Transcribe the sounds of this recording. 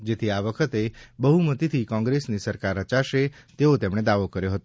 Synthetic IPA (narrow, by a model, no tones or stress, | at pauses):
d͡ʒet̪ʰiaʋəkʰət̪ebəɦumət̪it̪ʰikɔ̃ŋɡɾesnisəɾkaɾət͡ʃaʃet̪eot̪emɽ̃ed̪aʋokəɾjoɦət̪o